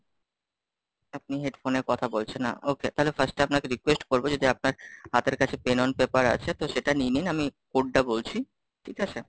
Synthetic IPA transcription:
ap̚niɦeɖfoneɾkɔt̪ʰabolt͡ɕʰenːa̰oket̪aɦolefaɾsʈaapnakeɾikwesʈkoɾbod͡ʑod̪iap̚naɾhat̪eɾkat͡ɕʰepenonpepaɾa̰t͡ɕʰet̪oʃeʈanininamikoɖːabolt͡ɕʰi | ʈʰikat͡ɕʰe

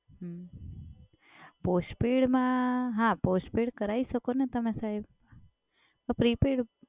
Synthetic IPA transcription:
ɦə | posʈpiɽmãɦãposʈpiɽkəɾaiʃəkonet̪əmesaɦib | əpɾipiɽ

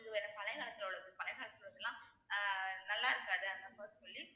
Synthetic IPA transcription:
ðɯʋeɾɐpɐlɐɪɣaːɭɐt̪ːɪlɐɔɽɐðɯpɐlɐɪɣaːɭɐt̪ːɪlʋɐðɐlːãː | nɐlːaːɪɾɯkːɡɐɐðɯɐnd̪ɐmaːðɾisɔlːi

